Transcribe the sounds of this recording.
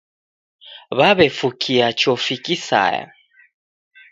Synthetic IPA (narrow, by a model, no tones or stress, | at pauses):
βaβɛfukʰiat͡ʃɔfikisa̰ja̰